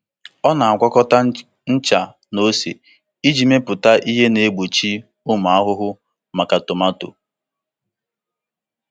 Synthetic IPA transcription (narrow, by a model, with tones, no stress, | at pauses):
ɔ˦na˨a˨kʷa˦kɔ˦ta˦ | n̩˦t͡ʃa˨ | no˦sḛ˨ | i˦d͡ʒi˨me˦pʊ˨ta˦ʔi˦ɦe˦ne˨˦ɡ͡bu˨t͡ʃi˦ | ʊ˦m˨a˦ɦʊ˦ɦʊ˦ | ma˨ka˨to˨ma˦to̰˨